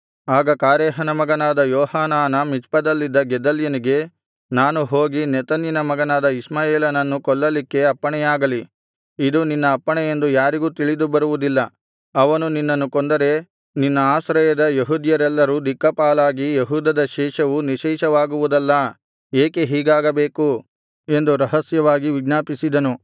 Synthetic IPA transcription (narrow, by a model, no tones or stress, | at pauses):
aːɡɐkaːɾɛːɦɐnɐmɐɡɐnaːd̪ɐjɔːhaːnaːnɐmit͡ʃpɐd̪ɐlːid̪ːɐɡɛd̪ɐljɐniɡe̞ | naːnuɦoːɡinɛt̪ɐnjinɐmɐɡɐnaːd̪ɐismaːjeːlɐnɐnːukɔɭːɐlikːe̞ɐpːɐɳɛjaːɡɐli | id̪uninːɐːpːɐɳɛje̞nd̪ujaːɾiɡuːt̪iɭid̪ubɐɾuʋud̪ilːɐ | ɐʋɐnuninːɐnːukond̪ɐɾe̞ | ninːɐaːsɾɐjɐd̪ɐjeɦuːd̪jɐɾɛlːɐɾud̪ikːɐpaːlaːɡijeɦuːd̪ɐd̪ɐʃɛːʃɐʋuniʃɛːʃɐʋaːɡuʋud̪ɐlːɐ | eːkeɦiːɡaːɡɐbe̞ːku | e̞nd̪uɾɐɦɐsjɐʋaːɡiʋiɡnaːpisid̪ɐnu